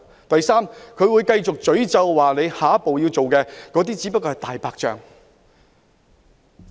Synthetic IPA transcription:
t̪ɐ˨˩jsaː˥mkʰɵ˨˧ɥwu˨˧jkɐ˧jt͡sʊ˨k̚t͡ʃɵ˨˥ɥt͡sɐ˧wːaː˨˩ne˨˧jhaː˨˥po˨wjiː˧wt͡so˨wkɛː˧kɔː˨˧˥t̪iː˥t͡siː˨˥pɐ˥t̚kɔː˧ɐ˨˩jt̪aː˨jpaː˧k̚t͡ʃœ̰ː˨˩ŋ

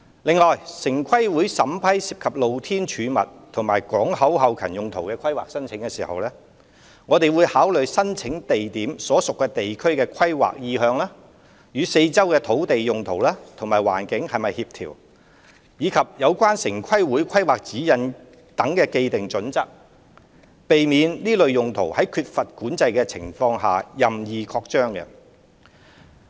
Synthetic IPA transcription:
lɪ˨ŋlɔː˨jsɪ˨˩ŋkʷʰɐ˥jwuː˨˥jsɐ˨˥mpʰɐ˥jsiː˧˥p̚kʰɐ˨p̚lo˨wt̪ʰiː˥nt͡ʃʰyː˨˧mɐ̰˨t̚t̪ʰʊ˨˩ŋmaː˨˩jkɔː˨˥ŋhɐ˨˥whɐ˨˧wkʰɐ˨˩njʊ˨ŋt̪ʰo˨˩wkɛː˧kʰɐ˥jwa̰ː˨k̚sɐ˥nt͡sʰɪ˨˥ŋkɛː˧siː˨˩hɐ̰˨wlɛː˥ | ŋɔː˨˧t̪e˨jwuː˨˧jhaː˨˥wlɵ˨ɥsɐ˥nt͡ʃʰɪ˨˥ŋt̪e˨jt̪iː˨˥msɔː˨˥sʊ˨kːɛː˧t̪e˨jkʰɵ˥ɥkɛː˧kʰɐ˥jwa̰ː˨k̚jiː˧hœː˧ŋlaː˥ | jyː˨˧se˧jt͡sɐ˥wkɛː˧t̪ʰo˨˥wt̪e˨jjʊ˨ŋt̪ʰo˨˩wlaː˥t̪ʰʊ˨˩maː˨˩jwa̰ː˨˩nkɪ˨˥ŋhɐ˨jmɐ˨jhiː˧p̚t̪ʰḭː˨˩w | jiː˨˧kʰɐ˨p̚jɐ˨˧wkʷaː˥nsɪ˨˩ŋkʰɐ˥jwuː˨˥jkʷʰɐ˥jwaː˨k̚t͡siː˨˥jɐ˨˧n | t̪ɐ˨˥ŋkɛː˧ke˧jt̪ɪ˨ŋt͡ʃɵ˨˥nt͡sɐ˥k̚ | pe˨jmiː˨˧nliː˥lɵ˨ɥjʊ˨ŋt̪ʰo˨˩whɐ˨˥jkʰyː˧t̚fɐ˨t̚kuː˨˥nt͡sɐ˧jkɛː˧t͡sʰɪ̰˨˩ŋfɔː˧ŋɦa̰ː˨jɐ˨mjiː˨kʰɔː˧k̚t͡ʃœː˥ŋkɛ̰˧

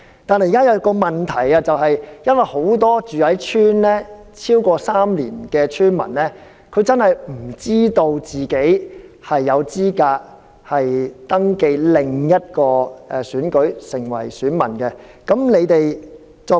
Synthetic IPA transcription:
t̪aː˨nɦɐ˨jka˥jɐ˧kɔː˧mɐ˨˩nt̪ʰɐ˨˩jaː˧t͡sɐ˨wɦɐ˨jjɐ˥nwɐ˨jho˨˥wt̪ɔː˥t͡ʃyː˨hɐ˨˥jt͡ʃʰyː˥nlɛː˥ | t͡sʰiː˥wkɔː˧saː˥mlḭː˨˩nkɛː˧t͡ʃʰyː˥nmɐ̰˨˩nlɛː˥ | kʰɵ˨˧ɥt͡sɐ˥nhɐ˨jm̩˨˩t͡siː˥t̪o˧wt͡siː˨ke˨˥jhɐ˨jːɐ˨˧wt͡siː˥kaː˧k̚ | hɐ˨jt̪ɐ˥ŋke˧jlɪ˨ŋjɐ˥t̚kɔː˧ɛː˨syː˨˥nkɵ˨˥ɥsɪ˨˩ŋwɐ̰˨˩jsyː˨˥nmɐ̰˨˩nkɛ˧ | kɐ˨˥mle˨˧jt̪e˨j | t͡sɔː˧

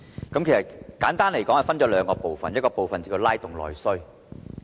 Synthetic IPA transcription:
kɐ˨˦mkʰjsɐ˨tkaː˨˥nt̪aː˥nle˨˩jkɔː˨˥hɐ˨jfɐ˥nt͡ʃɔː˨˥lœː˨˧ŋkɔː˧po˨wfɐ˨njɐ˥kɔː˧po˨wfɐ˨nt͡sːkʰi˧wlaː˥jt̪ʊ˨˩ŋlɔ̰ː˨˩jsɵ˥ɥ

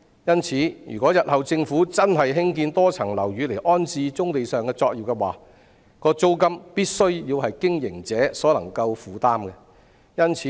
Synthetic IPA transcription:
jɐ˥nt͡sʰiː˨˥jy̰˨˩kʷɔː˨˥jɐ˨t̚hɐ˨wt͡sɪ˧ŋfuː˨˥t͡sɐ˥nɦɐ˨jɦɪ˥ŋkiː˧nt̪ɔː˥t͡sʰɐ˨˩ŋlɐ˨˩wjyː˨˧le˨˩ʔɔː˥nt͡siː˧t͡sʊ˥ŋt̪e˨jsœː˨ŋkɛː˧t͡sɔː˧k̚jiː˨wkɛ˧waː˨˩ | kɔː˧t͡so˥wkɐ˥mpiː˥t̚sɵ˥ɥjiː˧whɐ˨jkɪ˥ŋjɪ̰˨˩ŋt͡sɛː˨˥sɔː˨˥lɐ˨˩ŋkɐ˧wfuː˨t̪aː˥mkɛ˧ | jɐ˥nt͡sʰiː˨˦

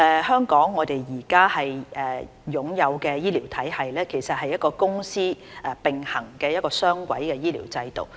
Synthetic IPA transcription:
ʔɛː˧hœː˥ŋkɔː˨˥ŋːɔː˨˧t̪e˨jːiː˨˩kaː˥hɐ˨jɛː˨ | jʊ˨˥ŋjɐ˨˧wkɛː˧jiː˥liː˨˩wt̪ʰɐ˨˥jhɐ˨jlɛː˥kʰe˨˩sɐ˨t̚hɐ˨˩jːɐ˥t̚kɔː˧kʊ˥ŋsiː˥ʔɛ˨˩pɪ˨ŋhɐ˨˩ŋkɛː˧jɐ˥t̚kɔː˧sœː˥ŋkʷɐ̰˨˥jkɛː˧jiː˥lḭː˨˩wt͡sɐ˧jt̪o̰˨˩w

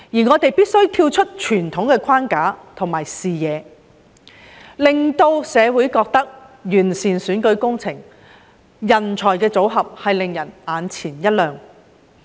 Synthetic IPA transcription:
jiː˨˩ŋɔː˨˧t̪e˨jpiː˥t̚sɵ˥ɥt̪ʰiː˧wt͡ʃʰɵ˥t̚t͡ʃʰyː˨˩nt̪ʰʊ˨˥ŋkɛː˧kʰaː˥nkaː˨˥t̪ʰʊ˨˩ŋmaː˨˩jsiː˨jɛː˨˧ | lɪ˨ŋt̪o˧wsɛː˨˧wuː˨˥jkɔː˧k̚t̪ɐ˥k̚jyː˨˩nsiː˨nsyː˨˥nkɵ˨˧˥ɥkʊ˥ŋt͡sʰɪ˨˩ŋ | jɐ˨˩nt͡sʰɔː˨˩jkɛː˧t͡so˨˥wɦɐ˨p̚hɐ˨jlɪ˨ŋjɐ˨˩naː˨˧nt͡sʰiː˨˩njɐ˥t̚lœː˨ŋ

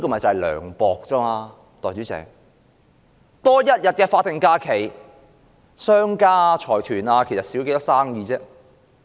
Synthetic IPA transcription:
i˥kɔː˥˧˩m˨ɐ˨˩t͡sɐ˨jlœ̰ː˨˩ŋpɔː˨k̚t͡sɐ˥maː˧ | t̪ɔː˨jt͡ʃyː˨˥t͡sɛ̰ː˨˩ŋ | t̪ɔː˥jɐ˥t̚jɐ˨t̚kɛː˧faː˧t̪ɪ˨˩ŋkaː˧kʰe˨˩j | sœː˥ŋkaː˥t͡ʃʰɔː˨˩jt̪ʰyː˨˩naː˧kʰe˨˩jsɐ˨t̚siː˨˥wke˧˥t̪ɔ˥saː˥ŋjiː˧t͡sɛː˥

